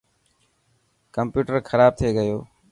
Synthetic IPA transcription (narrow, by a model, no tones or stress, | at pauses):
kəmpjuːʈəɾxʰəɾaːb̚t̪ʰeːɡəjoː